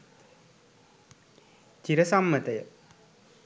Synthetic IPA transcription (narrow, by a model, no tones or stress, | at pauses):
t͡ɕiɾəsamːət̪ɐjə